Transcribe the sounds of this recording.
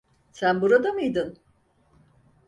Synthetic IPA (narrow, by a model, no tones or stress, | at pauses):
sænbuɾad̪amɯjd̪ɯn